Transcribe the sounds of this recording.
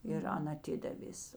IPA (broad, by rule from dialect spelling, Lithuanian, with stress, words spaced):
ɪr ˈɐn ɐˈtʲɪdɐʋʲeːs